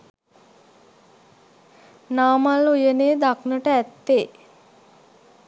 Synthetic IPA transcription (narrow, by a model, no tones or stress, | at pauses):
naːmalujəneːd̪aknəʈəæt̪ːe